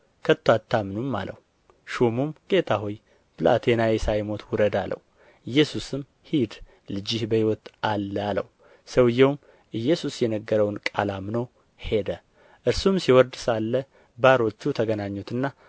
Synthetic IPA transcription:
kʰət̪ːwat̪ʰːamnumːa̰lə̰hu | ʃomumɡ̥e̞t̪ʰahuj | bɨla̰t̪ʰe̞nawɛsajmo̞t̪ʰwʊɾəd̪alʔə̰w | ʔɨjːɛsusɨm | hid̪ | lɨd͡ʒɪhbəhiwɔt̪alːəalə̰w | səwɨjɛwm | ʔɨjːɛsusjɛnəɡːəɾəwnkʼalamno | he̞d̪ə | ʔɨɾsumsiwɔɾd̪salːə | baɾo̞t͡ʃːut̪ʰəɡənaɲːot̪ʰɨnːa

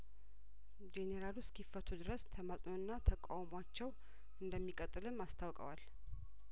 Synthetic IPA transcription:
d͡ʒeneɾaluskʰifːət̪ʰud̪ɨɾəst̪ʰəmasʼnonːat̪ʰəkʼawmoat͡ʃːɛw | ɨnd̪əmːikʼət̪ʼːɨlɨmːast̪ʰawkʼə̰wal

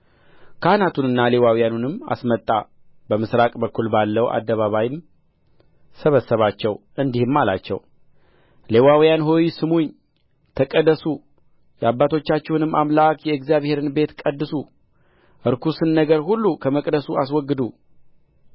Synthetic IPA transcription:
kʰahnat̪ʰunɨnːalewawjanunɨmːa̰smət̪ʼːa | bəmɨsɾakʼbəkʰːulbalːəwʔa̰d̪ːəβaβajɪm | səβəsːəβat͡ʃːɛw | ɨnd̪ihɨmːalat͡ʃːɛ̰w | le̞wawijanɦojsɨmuɲ | t̪ʰəkʼəd̪əsu | jɛabːat̪ʰo̞t͡ʃːat͡ʃːɛwnɨmːamlakjɛɨɡzijaβhe̞ɾɨnbe̞t̪kʼəd̪ːɨsu | ʔɨɾkʰusɨnːəɡəɾhulːukʰəməkʼd̪əsuaswɔɡːɨd̪u

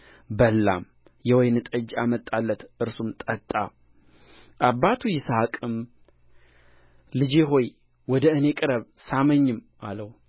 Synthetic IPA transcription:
bəlːa̰m | jɛwɔjnɨt̪ʼəd͡ʒamət̪ʼalːət̪ʔɨɾsumt̪ʼət̪ʼːa̰ | ʔaβːat̪ʰujɪsaakʼɨm | lɨd͡ʒeɦo̞j | wɔd̪əɨne̞kʼɨɾəβsaməɲːɨmʔaləw

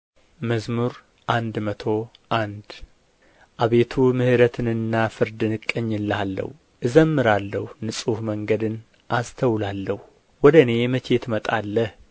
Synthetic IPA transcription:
məzmuɾ | ʔand̪mət̪ʰo̞ʔand̪ | ʔaβe̞t̪ʰumɨhɨɾət̪ʰɨnɨnːafɨɾd̪ɨnɨkʼːəɲːɨlːalːə̰h | ʔɨzəmːɨɾalːəhunɨsʼuhməŋɡəd̪ɨn | ʔast̪ʰəwlalːəhu | wɔd̪əne̞mət͡ʃʰe̞t̪mət̪ʼalːəh

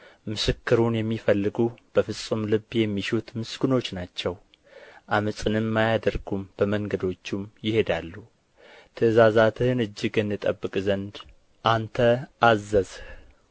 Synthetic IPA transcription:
mɨsɨkːɨɾunjɛmːifəlːɨɡub̥əfɨsʼumlɨbjɛmːiʃut̪mɨsɡɨno̞t͡ʃːnat͡ʃːɛw | ʔamɨsʼɨnɨmːajad̪əɾɡumb̥əməŋɡəd̪o̞t͡ʃːumjɪhe̞d̪alːu | t̪ʰəzazat̪ʰɨnɨd͡ʒːɪɡɨnɨt̪ʼəbːɨkʼzənd̪ | ʔant̪ʰəazːəzh

